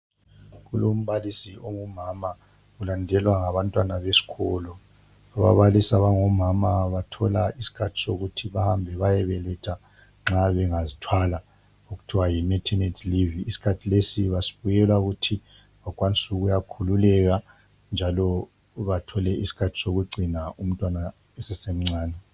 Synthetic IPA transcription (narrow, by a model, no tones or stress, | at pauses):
ɣulom̩βalisioŋumama | ulandʱɛlwaŋaβantʼwanaβesi̥kʰɔlɔ | aβa̰βalisaβaŋɔmamaβatʰɔlaisi̥kʰatʰi̥soɣutʰiβahambʱɛβajɛβɛlɛtʰa | ŋ͡ǁaβɛŋazitʰwala | uɣutʰiwajimɛtʰɛnɛtʰliviːsi̥kʰatʰilesiβasi̥βujɛlwauɣutʰi | βakʼwanisuɣujakʰululɛɣa | nd͡ʒʱalɔ | βatʰɔlɛisi̥kʰatʰi̥soɣuɡ͡ǀʱinaʔum̩tʼwana | ɛsɛsem̩ŋ͡ǀaːnɛ